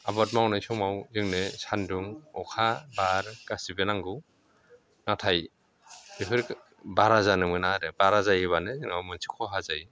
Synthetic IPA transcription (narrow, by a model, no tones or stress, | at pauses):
abat̚mawnajsɔmawzɯŋnɯsanduŋɔkʰabaɾɡasibenaŋɡɯ | natʰaj | epʰɯɾ | baɾazanɯmɯnaɾɯbaɾazajɯβanɯzɯŋawmɯnsʰi̥kʰɔɦazaj